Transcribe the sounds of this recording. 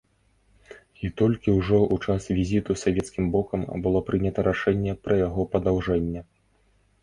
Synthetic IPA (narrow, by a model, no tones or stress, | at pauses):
it̪ɔlʲkʲiwʐɔʔut͡ʂasvʲizʲit̪usavʲɛt̪skʲimbɔkɐmbɨlˠɔpɾɨnʲɐt̪ɐɾaʂɛnʲːɛpɾɐjaɣɔpɐd̪awʐɛnʲːɛ